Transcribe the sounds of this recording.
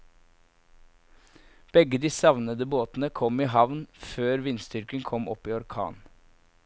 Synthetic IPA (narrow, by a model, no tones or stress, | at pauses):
b̥ɛɡəd̪iːsɑʋnəd̪əboːt̪n̩əkʰɔmiːɦɑʋnføːɾʋɪnst̪ʏɾkənkʰɔmɔpiːɔɾkʰɑ̰ːn